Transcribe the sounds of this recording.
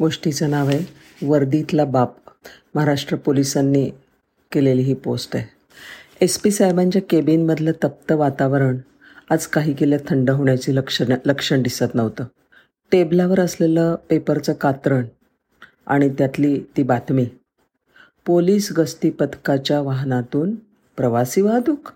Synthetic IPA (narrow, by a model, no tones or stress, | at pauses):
ɡoʂʈit͡sənaʋe | ʋəɾd̪it̪labap̚məɦaɾaʂʈɾəpolisanːiː | keleliːɦiːposʈaj | espiːsajbaɲd͡ʑjakebinməd̪ʱlət̪əp̚t̪əʋat̪aʋɾəɳ | ad͡zkaɦiːkeljat̪ʰəɳɖəɦoɳjat͡ɕiːləkʂləkʂəɳd̪isat̪nəʋt̪əː | ʈeblaʋəɾəsleləpepəɾt͡səːkat̪ɾəɳ | a̰ɽ̃it̪jat̪liːt̪iːbat̪miː | poliːsɡəsʈ̪ipət̪kat͡ɕjaʋaɦnat̪uːn | pɾəʋasiːʋad̪uːk